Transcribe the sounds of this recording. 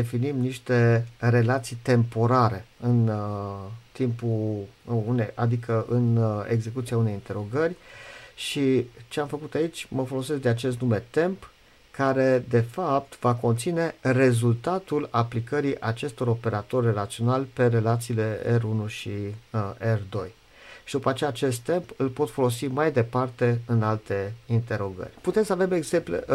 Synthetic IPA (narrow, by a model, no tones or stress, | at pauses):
d̪efinimniʃt̪e̞ɾe̞lat̪sijt̪e̞mpo̞ɾaɾe̞ɨn | t̪impu | unejʔad̪ikəʔɨne̞ɡze̞kut̪siaune̞jint̪e̞ɾo̞ɡərʲʃit͡ʃeamfəkut̪ait͡ʃʲməfo̞lo̞sesk̚d̪eat͡ʃe̞st̪nume̞t̪e̞mp | kaɾe̞d̪e̞fap̚t̪vako̞nt̪sine̞re̞zult̪at̪ulaplikəɾiʔat͡ʃe̞st̪o̞ɾo̞pe̞ɾat̪o̞rʲre̞lat̪sio̞nalʲpe̞ɾe̞lat̪siːle̞erunuʃi | erd̪o̞̰j | ʃid̪upat͡ʃejaːt͡ʃe̞st̪ːe̞mpɨlpo̞t̪fo̞lo̞simajd̪e̞part̪e̞ɨnalt̪e̞int̪e̞ɾo̞ɡə̰rʲput̪e̞msəavemeɡze̞mplḛ